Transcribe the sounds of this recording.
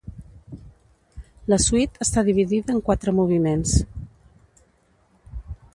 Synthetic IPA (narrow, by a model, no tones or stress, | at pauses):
ləsuit̪əst̪aðiβ̞iðiðəːŋkwat̪ɾəmuβ̞imens